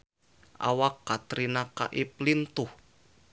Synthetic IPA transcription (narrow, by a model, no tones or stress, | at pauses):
ʔa̰wakːat̪ɾinaka̰ʔiplint̪ʊh